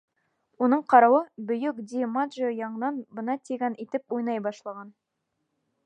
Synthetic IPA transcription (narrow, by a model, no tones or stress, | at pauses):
unɤɴqɑɾɑwɤbɵ̆jɵkd̪ʲimad̪ʒojɑɴ̆nɑnbɤ̆nɑt̪ʲiɡʲænʔit̪ɘpujnɑjbɑʃlˠɑʁɑn